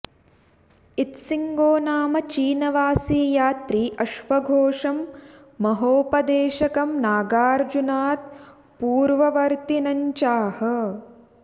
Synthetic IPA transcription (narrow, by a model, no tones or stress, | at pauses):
it̪siŋɡoːnaːmɐt͡ʃiːnɐʋaːsiːjaːt̪ɾiːʔɐʃʋɐɡʱoːʂɐmː | ɐɦoːpɐd̪eːʃɐkɐmnaːɡaːɾd͡ʒunaːt̪̚ | puːɾʋɐʋɐɾt̪inɐɲt͡ʃaːhɐ̆